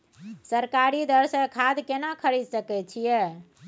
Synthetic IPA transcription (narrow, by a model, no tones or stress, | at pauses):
səɾkaɾid̪əɾsə̃kʰad̪kenakʰəɾid͡ʒ̪səkɛt͡ʃʰijɛ